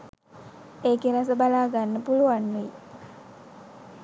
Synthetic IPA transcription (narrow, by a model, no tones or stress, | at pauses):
eːkeɾasəbalaːɡanːəpuluʋanːui